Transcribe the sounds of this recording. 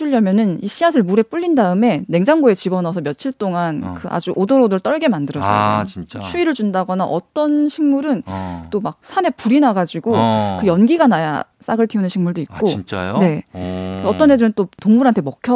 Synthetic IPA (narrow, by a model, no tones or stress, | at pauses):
uʎːjʌmjʌnɯniɕʰiasʰɯɭmuɾe̞p͈uʎːindaɯme̞ne̞ŋd͡ʑaŋɡoe̞t͡ɕibʌnʌsʰʌmjʌt͡ɕʰiɭt͈oŋankɯʔa̰d͡ʑuʔodoɾodɯɭt͈ʌɭɡe̞mandɯɾʌd͡ʑʌit͡ɕt͡ɕʰuiɾɯɭd͡ʑundaɡʌnaʔʌt͈ʌnɕʰiŋmuɾɯnt͈omak̚sʰane̞puɾinaɡad͡ʑiɡokɯjʌnɡiɡanaja̰ | s͈aɡɯɭtʰiunɯnɕʰiŋmuɭdoikk͈oit͡ɕ͈a̰jnne̞ | ʌt͈ʌnːe̞dɯɾɯnt͈otoŋmuɾɦantʰe̞mʌkʰjʌ